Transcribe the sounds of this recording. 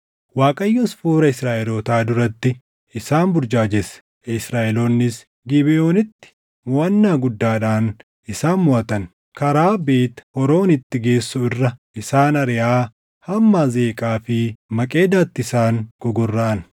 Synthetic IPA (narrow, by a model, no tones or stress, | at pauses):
waːkʼɐjːɔsfuːɾɐɪsɾaːʔɛloːt̪aːd̪ʊɾɐt̪ːɪ | ɪsaːnbʊɾd͡ʒaːd͡ʒɛs | ɪsɾaːʔɛloːnːɪs | ɡɪbɛʔoːnɪt̪ːɪ̥ | mɔːɐnːaːɡʊd̪ːaːᶑaːn | ʔɪsaːnmʊʔɐt̪ɐn | kɐɾaːbeːt̪hɔɾo̞ːnɪt̪ːɪɡe̞ːsːʊɪrːɐʔɪsaːnɐɾɪjaː | hɐmːaːze̞ːkʼaːfɪmɐkʼe̞ːd̪aːt̪ːɪɪsaːŋɡ̥ɔɡɔrːɐʔɐn